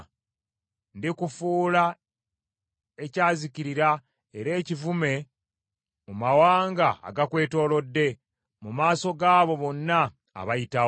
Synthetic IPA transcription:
ndikufuːla | e̞caːziciɾiɾa | eɾe̞ːcivume̞ | mumawaːŋɡa̰ːɡakwe̞ːto̞ːlo̞dːe̞ | mumaːso̞ɡaːβo̞βo̞nːa̰ː | βajita

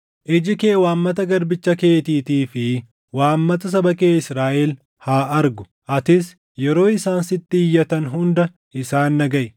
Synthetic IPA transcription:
ʔɪd͡ʒɪke̞ːwaːmːɐt̪̬ɐɡɐɾbɪt͡ʃːɐke̞ːt̪iːt̪iːfɪ | waːmːɐt̪ɐs̬ɐbɐkeːɪsɾaːʔɛl | haːɐɾɡʊ̥ | ʔɐt̪ɪs | jɛɾo̞ːɪsaːnsɪt̪ːɪːjːɐt̪ɐnɦʊnd̪ɐ | ɪsaːnːɐɡɐʔ

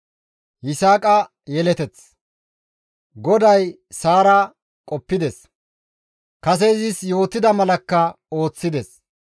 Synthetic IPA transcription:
hɪsaːkʼɐ | jɛlɛt̪ɛt͡s | ɡɔd̪ɐj | saːɾa | kʼɔpːɪd̪ɛs | kɐs̬ezɪsjo̞ːt̪ːɪd̪ɐmɐlɐkːɐ | o̞ːt͡sːɪd̪ɛs

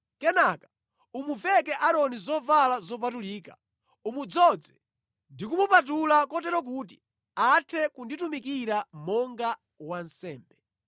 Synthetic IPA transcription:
kɛnakḁ | umuvɛk̬ɛʔaɾɔnizɔvalazɔp̬atuliːka | umud͡zɔd͡zɛ | ndikumupat̬ulakɔtɛɾɔk̬uːt̬i | atʰɛkunditumikiɾamɔŋɡa | wansɛːmbɛ

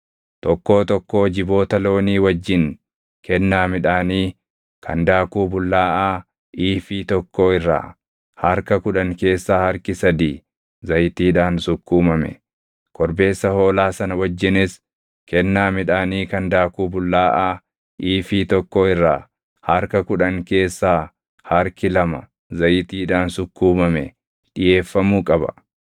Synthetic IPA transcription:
t̪ɔkːo̞ːt̪ɔkːo̞ːd͡ʒɪbo̞ːt̪ɐlo̞ːniːwɐd͡ʒːɪŋ | kɛnːaːmɪᶑaːniː | kʰɐnd̪aːkuːbʊlːaːʔaː | ʔiːfiːt̪ɔkːo̞ːɪrːa̰ː | hɐɾkɐkʊᶑɐŋke̞ːsːaːhɐɾkɪsɐd̪iː | zɐjt̪iːᶑaːnsʊkːuːmɐmɛ̰ | kɔɾbe̞ːsːɐho̞ːlaːsɐnɐwɐd͡ʒːɪnɪs | kɛnːaːmɪᶑaːniːkɐnd̪aːkuːbʊlːaːʔaː | ʔiːfiːt̪ɔkːoːɪrːaː | hɐɾkɐkʊᶑɐŋke̞ːsːaː | hɐɾkɪlɐmɐ | zɐjt̪iːᶑaːnsʊkːuːmɐmɛ | ᶑɪje̞ːfːɐmuːkʼɐbɐ̰

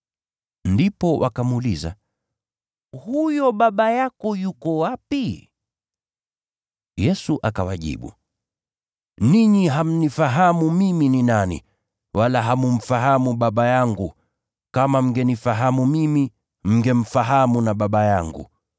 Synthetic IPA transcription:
ndipɔwʔa̰kamuliza̰ | hujɔɓaɓajakɔjukɔwapi | jɛsuʔakawaʄḭɓṵ | niɲiɦam̩nifaɦamumimininanḭ | wʔalaɦamum̩faɦamuɓaɓajaŋɡu | kamam̩ɡɛnifaɦamumimi | m̩ɡɛm̩faɦamunaɓaɓajaŋɡṵ

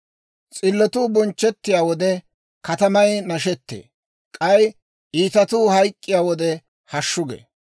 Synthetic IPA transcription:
t͡sʼɪlːɔt̪uːbɔnt͡ʃːɛt̪ːɪjaːwɔd̪ɛ | kɐt̪ɐmɐjnɐʃɛt̪ːḛː | kʼɐj | ʔiːt̪ɐt̪uːhɐjkʼːɪjaːwɔd̪ɛ | hɐʃːʊɡḛː

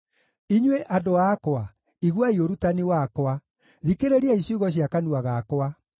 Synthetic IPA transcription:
iɲweʔadoakɔa | iɣwaioɾutaniwakɔa | ðikeɾeɾiaisuɣɔɕjakanuaɣakɔa

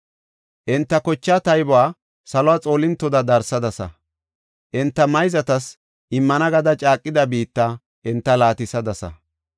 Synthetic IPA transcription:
ʔɪnt̪ːɐkɔt͡ʃːaːt̪ɐjbʊwaː | sɐlɔwaːt͡sʼo̞ːlɪnt̪ːɔd̪ɐd̪ɐɾsɐd̪ɐsɐ̰ | ʔɪnt̪ːɐmɐjzɐt̪ɐs | ʔɪmːɐnɐɡɐd̪ɐt͡ʃʼaːkʼːɪd̪ɐbiːt̪ːa | ʔɪnt̪ːɐlaːt̪ɪsɐd̪ɐsɐ̰

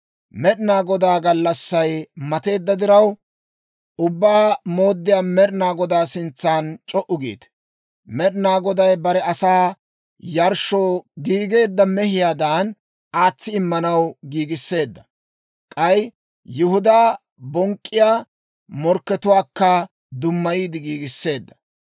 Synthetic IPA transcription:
mɛᶑɪnaːɡɔd̪aːɡɐlːɐsːɐjmɐt̪e̞ːd̪ːɐd̪ɪɾɐw | ʊbːaːmo̞ːd̪ːɪjaːmɛɗnaːɡɔd̪aːsɪnt͡sːaːnt͡ʃʼɔʔʊɡḭːt̪ | mɛᶑnaːɡɔd̪ɐjbɐɾɛɐsaː | jɐɾʃoːɡiːɡe̞ːd̪ːɐmɛhɪjaːd̪aːn | aːt͡sːɪɪmːɐnɐwɡiːɡɪsːe̞ːd̪ːɐ | kʼɐj | jʊhʊd̪aː | bɔŋkʼːɪjaː | mɔɾkːɛt̪ʊwaːkːɐ | d̪ʊmːɐjiːd̪ɪɡiːɡɪsːe̞ːd̪ːɐ

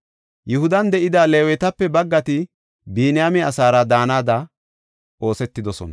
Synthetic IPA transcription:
jʊhʊd̪ɐnd̪ɛʔɪd̪aːleːwɛt̪ɐpːɛbɐɡːɐt̪ɪ | biːnɪjamɛɐsaːɾɐd̪aːnaːd̪ɐ | ʔo̞ːsɛt̪ːɪd̪ɔsɔ̰nɐ

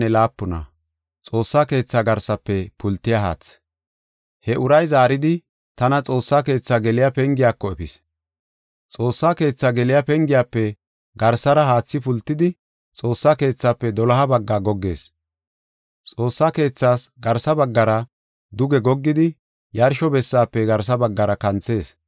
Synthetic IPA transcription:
ɛlaːpːʊnɐ̰ | t͡sʼo̞ːsːaːke̞ːt͡sːaːɡɐɾsɐpːɛpʊlt̪ːɪjaɦa̰ːt͡sː | hɛʔʊɾɐjzaːɾɪd̪ɪ | t̪ɐnɐt͡sʼo̞ːsːaːke̞ːt͡sːaːɡɛlɪjapɛŋɡɪjaːkːɔɛpɪs | t͡sʼo̞ːsːaːke̞ːt͡sːaːɡɛlɪjapɛŋɡɪjaːpːɛ | ɡɐɾsɐɾɐɦaːt͡sːɪpʊlt̪ːɪd̪ɪ | t͡sʼo̞ːsːaːke̞ːt͡sːaːpːɛd̪ɔlɐɦɐbɐɡːaːɡɔɡːe̞̰ːs | t͡sʼo̞ːsːaːke̞ːt͡sːaːsɡɐɾsɐbɐɡːɐɾɐ | d̪ʊɡɛɡɔɡːɪd̪ɪ | jɐɾʃɔbɛsːaːpːɛɡɐɾs̬ɐbɐɡːɐɾɐkɐnt͡sːe̞ːs

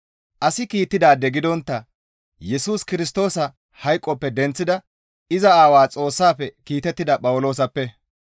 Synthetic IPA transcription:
ʔɐsɪkiːt̪ːɪd̪aːd̪ɛɡɪd̪ɔnt̪ːɐ | jɛsuːskɪɾɪs̬t̪o̞ːsɐ | hɐjkʼːɔpːɛd̪ɛnt͡sːɪd̪ɐ | ɪzɐaːwaːt͡sʼo̞ːsːaːpːɛkiːt̪ɛt̪ːɪd̪ɐpʼɐwʊlo̞ːs̬ɐpːɛ

